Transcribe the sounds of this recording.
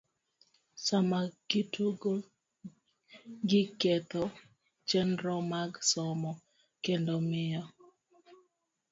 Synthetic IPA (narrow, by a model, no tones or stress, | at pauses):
samaɡ̥ɪtuɡo | ɡɪket̪ɔ | t͡ʃɛnɾɔmaɡsɔmɔ | kendomɪjɔ